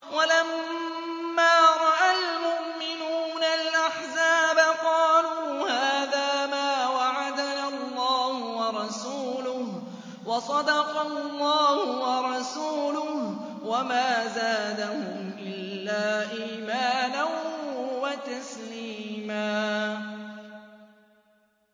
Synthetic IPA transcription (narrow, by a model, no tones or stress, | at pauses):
walamː | aːɾˤɑʔalmʊʔmɪnuːnalʔaħzaːbaqɑːluːhaːðaːmaːwaʕad̪analˤːɑːhʊwɑɾˤɑsuːlʊh | wɑsˤɑd̪ɑqɑlːɑːhʊwɑɾˤɑsuːlʊh | wamaːzaːd̪ahʊmʔɪlːaːʔiːmaːnanwat̪aslliːmaː